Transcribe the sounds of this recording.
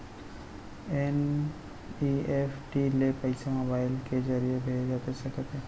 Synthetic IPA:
ɛn | iefʰʈilepəɪsamobaːɪlked͡ʒəɾijebʱeːd͡ʒd͡ʒat̪esɐkət̪ɦɛː

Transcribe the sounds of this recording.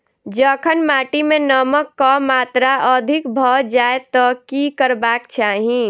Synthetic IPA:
d͡ʒəkʰənmaʈimenəməkːɔmat̪ɾaʔəd̪ʱikbʱɔd͡ʒaet̪ɔkikəɾbakt͡ʃaɦĩ

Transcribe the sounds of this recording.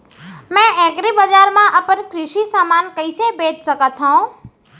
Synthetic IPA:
mɛ̃ʔeɡɾibəd͡ʒaːɾmãʔəpənkɾɪʃisaːmaːnkəjsebed͡ʒ̪səkət̪ʰɦõː

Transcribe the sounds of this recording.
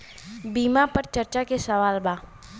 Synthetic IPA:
biːmapɐɾt͡ʃɐɾt͡ʃakesɐʋaːlbaː

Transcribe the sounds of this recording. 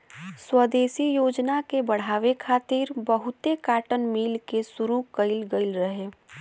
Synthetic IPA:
swəd̪eːsijoːd͡ʒnakebɐɽ̤aːʋekʰaːt̪iːɾbəɦʊt̪ekaːʈənmiːlkesʊɾukəɪlɡəɪlɾəɦeː

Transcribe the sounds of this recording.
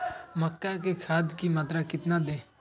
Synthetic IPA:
məkːaːkekʰaːd̪kiːmət̪ɾakɪt̪naːd̪eː

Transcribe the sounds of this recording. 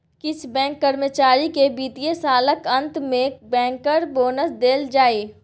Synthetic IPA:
kɪt͡ʃʰbɛ̃ːŋkːəɾmət͡ʃaːɾikebiːt̪ijesaːləkɐ̃nt̪mẽbɛ̃ːŋkəɾboːnəsd̪eːld͡ʒaːiː

